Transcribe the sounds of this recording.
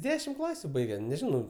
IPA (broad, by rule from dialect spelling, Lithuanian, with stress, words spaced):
ˈdʲæːʃʲɪm ˈklˠɑːsʲʊ ˈbɐɪɡʲɛ nʲɛˈʒʲɪnɐʊ